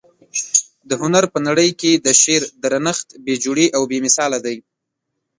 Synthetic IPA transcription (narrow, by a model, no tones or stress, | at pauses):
d̪əhʊnaɾpənaɽəjked̪əʃeɾd̪ɾanəxt̪bed͡ʒuɽeʔawbemɪsɑlad̪aj